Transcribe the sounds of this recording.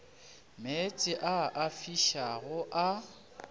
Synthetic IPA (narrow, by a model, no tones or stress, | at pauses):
met͡sʼɪʔaʔafiʃaɣʊʔa